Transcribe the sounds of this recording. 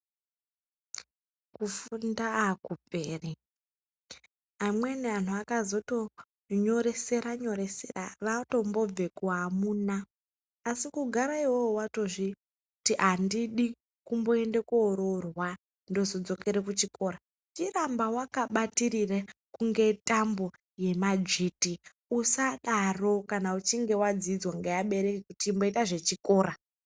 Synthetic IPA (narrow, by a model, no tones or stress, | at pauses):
kufundaakupeːri | amwenean̤uakazo̞to | ɲo̞ɾe̞se̞ɾaɲo̞ɾe̞sḛra̰ʋato̞mbo̞b͡ve̞kuɦamunaː | sikuɡʱaɾaiwoːwato̞ʐi | utiʔandiɗi | kumbo̞e̞nde̞kuːɾo̞rwa | ndo̞zo̞d͡zo̞ke̞ɾekut͡ʃiko̞ːɾa | t͡ʃirambawakaɓatirirakuŋɡe̞tambo̞ | je̞mad͡ʒiti | usaɗaro̞kanaut͡ʃiŋɡe̞wad͡zid͡zwaŋɡejaɓe̞ɾe̞kekutiːmbo̞itaʐe̞t͡ʃiko̞ːɾa